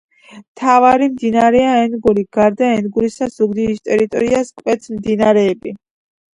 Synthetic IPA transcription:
mt̪ʰavaɾimd̪inaɾɛaɛnɡuɾiɡaɾd̪aɛnɡuɾisaz̥uɡd̪iɾist̪ʼɛɾit̪ʼɔ̰ɾiaskʼwɛt̪sʰmd̪inaɾɛːbi

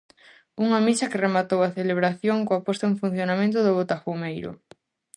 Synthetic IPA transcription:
uŋɐmisɐkeremat̪owaθeleβ̞ɾaθjoŋkoapɔst̪auŋfun̟θjonamẽnt̪̬ʊðʊβot̪afumejɾʊ̰

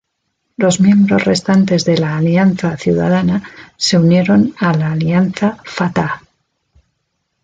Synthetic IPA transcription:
lo̞zmje̞mbɾo̞zre̞st̪ant̪e̞zðe̞laːlianθaθjuða̰ð̞anase̞unje̞ɾo̞nalaːlianθafat̪a

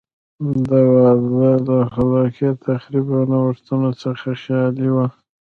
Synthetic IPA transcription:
d̪awazaləxalɑkiet̪ʰaxɾibanawəʂt̪unosəxaʃɑliwa

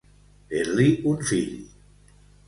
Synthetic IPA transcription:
eɾliunfiʎ

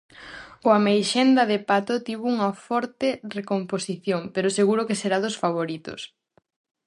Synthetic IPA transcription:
oamejʃend̪ɐðepat̪ot̪iβouŋɐfɔɾt̪erekomposiθjoŋpeɾʊseɣuɾʊkeseɾaðʊsfaβ̞oɾit̪ʊ̰s

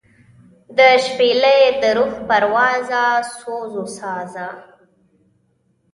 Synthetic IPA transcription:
d̪əʃpeləjed̪əɾuxpaɾwɑzasozosɑza

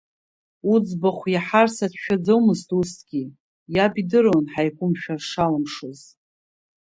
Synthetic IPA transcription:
ud͡zbaχʷjaħarsatʰʃᶣad͡zawmɨztʼustʰʼɡ̥ʲi | jabidɨronħajkʷʼʊmʃᶣarʂalamʂɨz

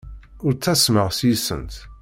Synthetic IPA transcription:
ʊɾt͡sːæsməʁsjisə̰nt̪

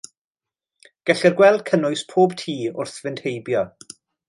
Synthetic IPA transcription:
ɡ̥ɛɬɛrɡwɛlˠdkʰənʊɨspʰoːbtʰiːʊrθvɪnd̥hejbjɔ

